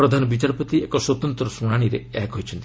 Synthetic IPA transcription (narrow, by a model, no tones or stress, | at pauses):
ɾɔd̪ʱanɔbit͡ʃaɾpɔt̪iekɔswɔt̪ɔnt̪ɾɔsuɽaɽ̃iɾeɛkɦojt͡ʃʰɔnt̪i